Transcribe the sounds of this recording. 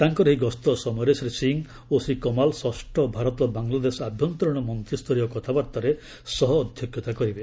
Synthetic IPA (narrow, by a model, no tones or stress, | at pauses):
t̪aŋkɔɾɔɦiɡɔst̪ɔsɔmɔjɾesɾisiŋ | osikɔmalsɔsʈʰɔbʱaɾɔt̪ɔbaŋlad̪esabʱjɔnt̪ɾɔɽ̃ɔmɔnt̪ɾist̪ʰɔɾijɔkɔt̪ʰapaɾt̪ɔɾe | sɔɦɔːd̪ʱjɔkjɔt̪akɔɾibe